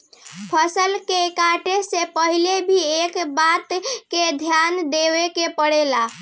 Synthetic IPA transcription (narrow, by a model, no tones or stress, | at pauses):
pʰəsəlkekaʈesepəɦilebʱiekbat̪ked̪ʱjand̪ebekepəɽela